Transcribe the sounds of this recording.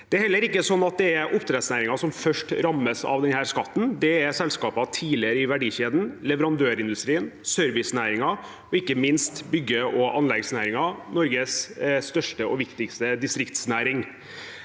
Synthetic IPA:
d̪ɛæɾhɛlːəɾɪkːəsɔnːɑt̪̚d̪ɛæɾʔʊpt̪ʰɾɛsnæːɾɪŋɑsɔmfœʂʈɾɑmːəsɑ̰ʋd̪ɛnhæːɾskɑt̪ːn̩d̪ɛɛɾsɛlskɑːpɑt̪ʰiːlɪəɾəɪʋæɖiːɕeːd̪n̩lɛʋəɾɑnd̪øːɾɪnd̪ʉst̪ɾiːənsœɾʋɪsnæːɾɪŋɑ | ɔɪkːəmɪnst̪bʏɡːəɔʔɑnlɛɡsnæːɾɪŋɑnɔɾɡəsst̪œʂʈəʔɔʋɪkt̪ɪkst̪əd̪ɪst̪ɾɪkt̪snæːɾɪŋ

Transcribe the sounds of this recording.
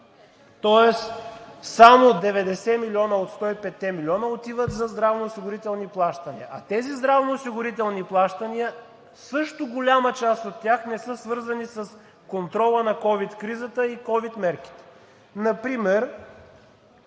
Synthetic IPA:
t̪ɔɛssamod̪ɛvɛd̪ɛsɛmilʲiɔnəot̪st̪ɔipɛt̪ːɛmilʲiɔnəot̪ivət̪zɐzd̪ɾavnoːsiɡʊɾit̪ɛlˠniplˠaʃt̪ɐniə̰ʔɐt̪ɛzizd̪ɾavnoːsiɡʊɾit̪ɛlˠniplˠaʃt̪əniə | sɤʃt̪oɡolʲamət͡ʃast̪ot̪ːjaxnɛsɤsvɤɾzɐnisɐs | kont̪ɾɔlˠənɐkɔvit̪kɾizət̪əikɔvit̪mɛɾk̟i̥t̪ɛ̥ | nɐpɾimɛɾ

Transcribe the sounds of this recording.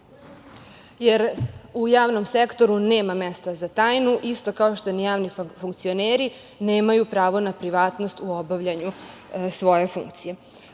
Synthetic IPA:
jeɾujaːʋno̞msekt̪o̞ɾuneːmame̞st̪azat̪aːjnuʔist̪o̞kaoʃt̪onijaːʋnifuŋkt̪sio̞neːɾi | neːmajupɾaːʋo̞napɾiʋaːt̪no̞st̪uobaʋʎaɲusʋo̞je̞fṵŋkt̪sije̞

